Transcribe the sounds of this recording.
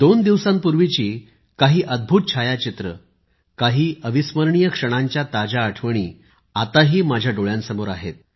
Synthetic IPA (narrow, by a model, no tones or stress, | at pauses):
d̪ond̪iʋsãmpuɾʋit͡ɕiː | kaɦiːʔəd̪̚bʱuːt̪̚t͡ɕʰajat͡ɕit̪ɾə | kaɦiːəʋisməɾɳijəkʂəɽ̃aɲt͡ɕjat̪ad͡ʑaəʈʰʋəɳ̃ḭː | at̪aɦiːmad͡ʑʱjaɖoɭjãnsəmoɾaɦḛt̪̚